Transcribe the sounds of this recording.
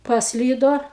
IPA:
pɐsʲˈlʲiːdoː

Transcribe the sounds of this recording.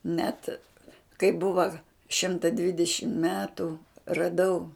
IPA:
nʲɛt kɐɪ ˈbʊʋɐ ˈʃʲɪmtɐ ˈdʲʋʲɪdʲɛʃʲɪm ˈmʲæːtʊ rɐˈdɐʊ

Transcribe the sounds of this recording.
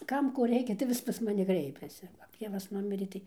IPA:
ˈkɐm ˈkoː ˈrʲɛɪkʲɛ tɐɪ ˈʋʲɪs pɐs mɐˈnʲɪ ˈkrʲɛɪpʲɛsʲɪ kɐp ˈtʲeːʋɐs ˈnʊmʲɪrʲeː ˈtɐɪ

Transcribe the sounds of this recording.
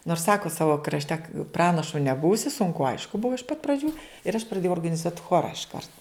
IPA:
noːrs ˈsɑːkoː ˈsɑːʋoː krɐʃʲˈtʲɛ ˈprɑːnɐʃʊ nʲɛˈbuːsʲɪ sʊŋˈkʊ ˈɐɪʃkʊ ˈbʊʋoː ɪʃ pɐt prɐˈd͡ʒʲuː ɪr ɐʃ prɐˈdʲeːjɛʊ oːrɡɐnʲɪˈzuɔtʲ ˈxoːrɐ ɪʃˈkɐrt

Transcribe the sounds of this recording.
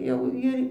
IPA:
ˈjɛʊ ɪr

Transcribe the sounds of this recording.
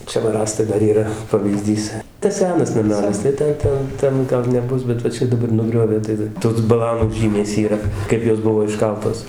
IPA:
ˈt͡ʃʲɛ ʋɐ ˈrɑːstɐɪ ˈdɐr ˈiːrɐ pɐʋʲiːˈzʲdʲiːs tɐs ˈsʲæːnɐs nɐˈmʲæːlʲɪs tɐɪ ˈtʲɛn ˈtʲɛn ˈtʲɛn ˈɡɐlˠ nʲɛˈbʊs bʲɛt ʋɐ ˈt͡ʃʲɛ dɐˈbɐr nʊˈɡrʲoːʋʲeː tɐɪ ˈtoːs bɐˈlˠɑːnuː ˈʒʲiːmʲeːs iːˈrɐ ˈkɐɪp joːs ˈbʊʋoː ɪʃˈkɐlˠtoːs

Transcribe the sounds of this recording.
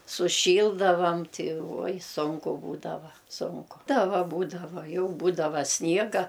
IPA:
sʊˈʃʲiːlˠdɐʋɐm ˈtʲɪ uɔj ˈsʊŋkʊ ˈbuːdɐʋɐ ˈsʊŋkʊ ˈtɐ ˈʋɐ ˈbuːdɐʋɐ ˈjɛʊ ˈbuːdɐʋɐ ˈsʲnʲiɛɡɐ

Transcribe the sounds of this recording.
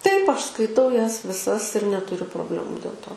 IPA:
tɐɪp ˈɐʃ skɐɪˈtɐʊ ˈjɛs ʋʲɪˈsɐs ɪr nʲɛtʊˈrʲʊ proːbʲˈlʲæːmʊ dʲeːlˠ ˈtoː

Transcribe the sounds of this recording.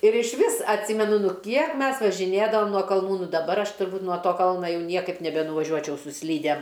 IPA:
ɪr ɪʃʲˈʋʲɪs ɐtʲˈsʲɪmʲɛnʊ ˈnʊ ˈkʲiɛk ˈmʲɛs ʋɐʒʲɪˈnʲeːdɐʋoːm nuɔ kɐlˠˈnuː ˈnʊ dɐˈbɐr ˈɐʃ tʊrˈbuːt nuɔ ˈtoː ˈkɐlˠnɐ ˈjɛʊ ˈnʲiɛkɐɪp nʲɛbʲɛnʊʋɐˈʒʲuɔt͡ʃʲɛʊ sʊ ˈsʲlʲiːdʲɛm

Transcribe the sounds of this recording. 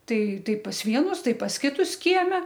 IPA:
ˈtɐɪ ˈtɐɪ pɐs ˈʋʲiɛnʊs ˈtɐɪ pɐs ˈkʲɪtʊs ˈkʲiɛmʲɛ

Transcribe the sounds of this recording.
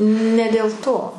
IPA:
nʲɛ dʲeːlˠ ˈtoː

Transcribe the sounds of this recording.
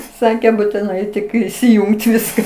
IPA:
ˈsɑːkʲeː buːtʲɪˈnɐɪ ˈtʲɪk iːsʲɪˈjʊŋkt ˈʋʲɪskɐ

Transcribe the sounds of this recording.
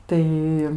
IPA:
ˈtɐɪ

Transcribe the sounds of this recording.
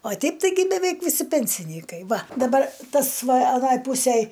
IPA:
oː ˈtʲɛɪp tɐɪˈɡʲɪ bʲɛˈʋʲɛɪk ʋʲɪˈsʲɪ pʲɛnʲsʲɪˈnʲiːkɐɪ ˈʋɐ dɐˈbɐr ˈtɐs ˈʋɐ ɐˈnoːj ˈpuːsʲeːj

